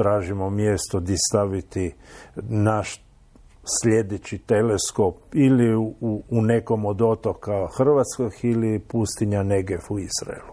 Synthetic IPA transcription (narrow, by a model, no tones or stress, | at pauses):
t̪ɾaːʒimomjest̪od̪ist̪aʋit̪i | naʃ | sle̞d̪et͡ɕit̪e̞lesko̞piliuune̞ko̞mod̪o̞t̪o̞kaxr̩ʋat̪skoɡilipust̪iɲane̞ɡefuizɾa̰elu